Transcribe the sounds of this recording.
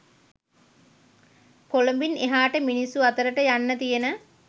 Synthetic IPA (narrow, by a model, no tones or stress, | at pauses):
kolombineɦaːʈəminisuat̪əɾəʈəjanːət̪ijənə